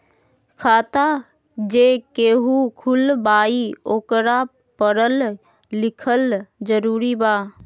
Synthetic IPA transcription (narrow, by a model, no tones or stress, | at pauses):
kʰaːt̪a | d͡ʒekeːɦukʰʊlbaːioːkɾa | pəɾəlː | ɪkʰəld͡ʒəɾuːɾibaː